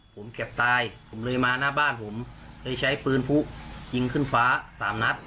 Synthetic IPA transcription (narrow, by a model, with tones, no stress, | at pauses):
pʰo˩˦mke˨˩p̚t̪aː˧jpʰo˩˦mlɤː˧jmaː˧naː˥˩baː˥˩npʰo˩˦mlɤː˧jt͡ɕʰa˦˥jpɯː˧npʰu˦˥t͡ɕi˧ŋkʰɯ˥˩nfaː˦˥saː˩˦mna˦˥t̪̚